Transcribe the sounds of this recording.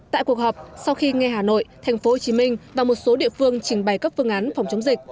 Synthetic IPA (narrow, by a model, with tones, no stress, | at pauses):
t̪a̰ː˧˨jku˨˩ək̚ɦɔ˨˩p̚sa˧wxi˧ŋɛ˧ɦaː˨˩no̰˧˨jt̪ʰɛ˨˩jŋ̟fo˨˦ho˨˩t͡ɕi˨˦mï˧ŋ̟vaː˨˩mo˨˩t̚so˨˦ɗḭ˧˨əfɨ˧əŋt͡ɕï˧˩ŋ̟ɓa˨˩jkə˦˥p̚fɨ˧əŋʔaː˨˦nfa˨˩wŋ͡mt͡ɕə˨˦ŋ͡mzï˨˩k̟̚